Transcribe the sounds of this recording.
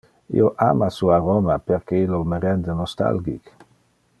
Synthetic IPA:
ḭoʔa̰masuaɾomapeɾkeilːoməɾɛnd̪enost̪a̰lɡik

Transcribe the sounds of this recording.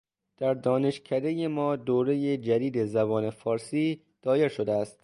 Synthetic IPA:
d̪̥æɾd̪ɒːne̞ʃcʰæd̪e̞jemɒːd̪oːɾe̞jed͡ʒæd̪iːd̪e̞zæbɒːne̞fɒːɾsiː | d̪̥ɒːje̞ɾʃo̞d̪eæst̪

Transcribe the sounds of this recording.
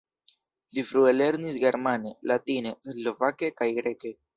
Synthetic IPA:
lifɾuele̞ɾnis̬ɡe̞ɾmane̞latine̞slo̞vake̞kajɡɾe̞ke̞

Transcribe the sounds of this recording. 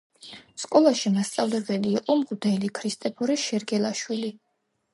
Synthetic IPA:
skʼɔlˠaʃimast̪sʼavlɛbɛliːqʼɔmʁud̪ɛlikʰɾist̪ʼɛpʰɔɾɛʃɛɾɡɛlˠaʃwili

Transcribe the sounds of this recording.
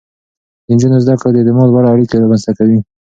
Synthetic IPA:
d̪̥ənd͡ʒunozd̪akɽd̪et̪ɪmɑd̪waɾaːɽikeɾɑmanst̪akawi

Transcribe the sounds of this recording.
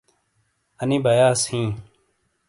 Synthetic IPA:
əniːbʱəjaːshĩː

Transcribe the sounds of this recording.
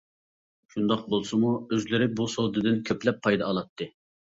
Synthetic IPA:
ʃʰund̪ɑq̚bolˠsɨmuøzlɪɾɪbusowd̪ɨd̪ɪnkʲʰøplɛpʰːɑjd̪ɑːlˠɑt̪ʰːɨ

